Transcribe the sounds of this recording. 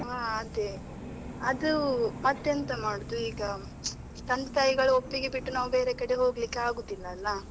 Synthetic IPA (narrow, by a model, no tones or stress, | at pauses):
ɦaːɐd̪e | ɐd̪umɐt̪ːjɐnt̪ɐmaːɽud̪uiːɡɐ | t̪ɐnd̪ɐt̪aːjiɡɐɭuopːiɡebiʈːunaːʋube̞ːɾe̞kɐɽeɦo̞ːɡlikːeaːɡuːd̪ilːɐːlːɐ